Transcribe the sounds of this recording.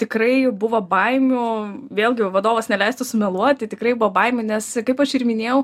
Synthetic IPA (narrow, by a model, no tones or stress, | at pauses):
t̪ʲɪkɾɐɪbʊʋɐbɐɪmʲʊʋʲeːlʲˠɡʲɪʋɐd̪oːʋɐsnʲɛlʲɛɪst̪ʊsʊmʲɛlˠuɔt̪̚ʲt̪ɐɪt̪ʲɪkɾɐɪbʊʋɐbɐɪmʲʊnʲɛskɐɪpɐʃɪrmʲɪnʲeːjɛʊ